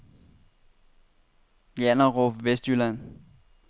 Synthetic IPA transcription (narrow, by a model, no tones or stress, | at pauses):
jænɐʁofʋesd̥ylæn